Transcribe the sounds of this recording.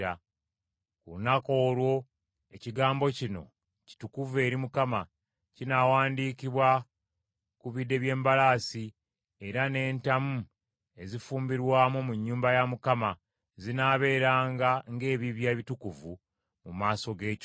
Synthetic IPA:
a | kulunako̞ːlwo̞ | e̞ciɡaːmbo̞cino̞̰ | ci̥tukuvue̞ːɾimukama | cinaːwaːndiːkiβwa | kuβidːe̞βje̞ːmbalaːsi | e̞ɾane̞ːntamu | e̞zifuːmbiɾwaːmomuɲːuːmbajamukama | zinaːβe̞ːɾaːŋɡaŋɡe̞ːβiβjaβitukuvu | mumaːso̞ɡe̞ːco

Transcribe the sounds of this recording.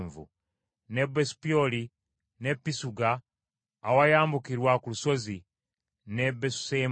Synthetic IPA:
ɱvṵ | nebespioli | nepːisuɡaː | wajaːmbukiɾwakuluso̞zi | nebesu̥sem

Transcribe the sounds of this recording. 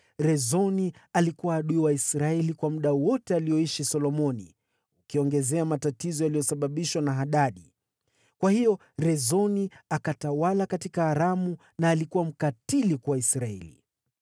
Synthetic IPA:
ɾɛzɔnialikuwaːɗuiwaisɾaɛlikwamuɗawɔtɛalijɔiʃisɔlɔmɔnḭ | ukiɔŋɡɛzɛamatatizɔjalijɔsaɓaɓiʃwanaɦaɗaɗi | kwahijɔ | ɾɛzɔniakatawalakatikaːɾamu | naːlikuwam̩katilikwaisɾaɛ̰lḭ

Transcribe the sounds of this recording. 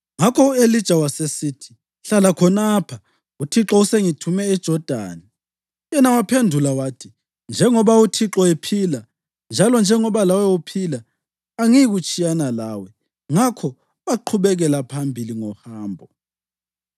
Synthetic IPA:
ŋakʰɔuelid̥ʒ̥ʱawasesiːtʰi̥ | ɬalakʰɔnaːpʰa | utʰiǁɔuseŋitʰumɛɛd̥ʒ̥ʱɔd̥ʱa̰ːnɛ | jɛnawapʰendʱulawaːtʰi | nd͡ʒʱɛŋɔβautʰiǁɔepʰila | nd͡ʒʱalɔnd͡ʒʱɛŋɔβalawɛupʰilaː | ŋiiɣut͡ʃʼijanalaːwɛ | ŋakʰɔ | βaǃʰuβɛɣɛlapʰambʱiliŋɔhaːmbʱɔ

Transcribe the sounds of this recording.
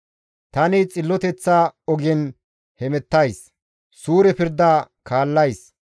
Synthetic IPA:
t̪ɐnɪt͡sʼɪlːɔt̪ɛt͡sːaːɔɡɛn | hɛmɛt̪ːɐjs | suːɾɛpɪɾd̪aːkʰaːlːɐjs

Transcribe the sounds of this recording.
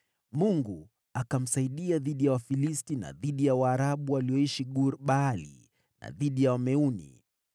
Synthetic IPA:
muŋɡu | akam̩saiɗiaðiɗijawafilistina̰ðiɗijawaːɾaɓuwaliɔiʃiɠuɾɓalḭ | na̰ðiɗijawamɛunḭ

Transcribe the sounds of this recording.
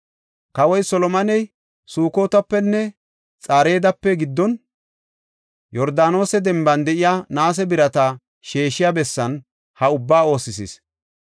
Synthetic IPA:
kɐwɔjsɔlɔmɐnɛj | suːko̞ːt̪ɐpːɛnːɛ | t͡sʼaːɾe̞ːd̪ɐpːɛɡɪd̪ːɔn | jɔɾd̪aːno̞ːsɛd̪ɛmbɐnd̪ɛʔɪjanaːs̬ɛbɪɾɐt̪ɐ | ʃe̞ːʃɪjabɛsːɐn | hɐʊbːaːo̞ːsɪsḭs

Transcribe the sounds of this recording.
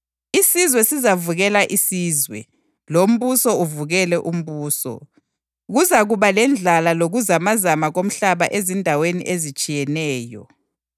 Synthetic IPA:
isizwɛsizavuɣɛlaʔisiːzwɛ̰ | lom̩βusɔuvuɣɛlɛʔum̩βuːsɔ̰ | ɣuzaɣuβalɛnd͡ɮʱalaloɣuzamazamaɣom̩ɬaβaʔezindʱawenḭʔezit͡ʃʼijɛnɛːjɔ̰

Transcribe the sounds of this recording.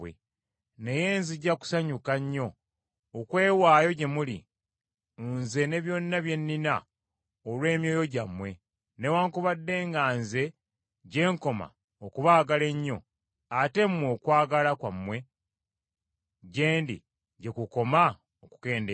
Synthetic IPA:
wḛ | ne̞je̞ːnziɟaku̥saɲukaɲːo̞ː | kwe̞ːwaːjo̞ɟe̞mulḭ | nze̞ne̞βjo̞nːaβje̞nːina | olwe̞ːmjo̞ːjo̞ɟamːwe̞ | ne̞waːŋkuβadːe̞ːŋɡaːnze̞ | ɟe̞ːŋko̞ma̰ | okuβaːɡale̞ɲːo̞ | ate̞mwo̞ːkwaːɡalakwamːwe̞ | ɟe̞ːndḭ | ɟe̞kuko̞ma | oku̥ke̞ːnde

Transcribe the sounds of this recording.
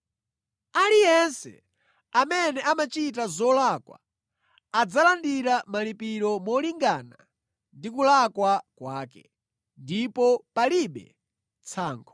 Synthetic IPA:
alijɛnsɛ̰ | amɛnɛʔamat͡ʃitazɔlakwa̰ː | d͡zalandiɾamalipiɾɔmɔliŋɡaːna | ndikulakwakwaːkɛ | ndipɔpaliɓɛ̰ | t͡sʰaːŋɡɔ

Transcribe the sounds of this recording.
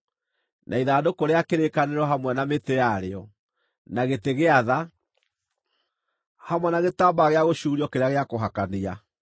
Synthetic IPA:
nʔaiðaːdokoɾeakeɾekaneɾwɔɦamwɛnametejaɾeɔ | naɣeteɣeaða | hamwɛnaɣetaːbaɣeaɣoɕuːɾiɔkeɾeaɣeakoɦakania

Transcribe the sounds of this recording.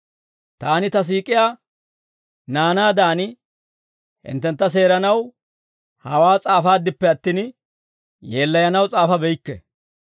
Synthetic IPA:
t̪aːnɪt̪ɐs̬iːkʼɪjaː | naːnaːd̪aːnɪ | hɪ̰nt̪ːɛnt̪ːɐs̬e̞ːɾɐnɐw | hɐwaːt͡sʼaːfaːd̪ːɪpːɛɐt̪ːiːn | je̞ːlːɐjɐnɐwt͡sʼaːfɐbɛjɪkːɛ̰

